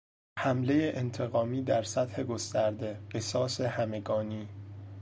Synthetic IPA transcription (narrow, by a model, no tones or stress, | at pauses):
hæmle̞jeʔent̪ʰe̞ɣɒːmiːd̪æɾsæt̪he̞ɡo̞st̪æɾd̪e̞ɢesɒːsehæme̞ɡɒːniː